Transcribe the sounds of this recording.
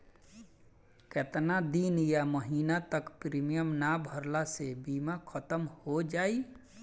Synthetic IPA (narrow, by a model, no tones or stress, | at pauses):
ket̪nad̪iːnjaməɦiːnat̪əkpɾiːmijəmnabʱəɾlasebiːmakʰət̪əmhod͡ʒaːi